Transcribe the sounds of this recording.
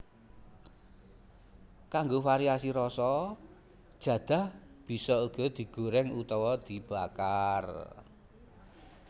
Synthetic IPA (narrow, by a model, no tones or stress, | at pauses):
kaŋɡofaɾiasiɾɔsɔ̥ | ʒ̥ä̤d̪̥a̤h | b̥i̤sɔuɡ̥ɔ̤d̪̥i̤ɡ̥o̤ɾɛŋut̪ɔwɔd̪̥i̤b̥a̤kar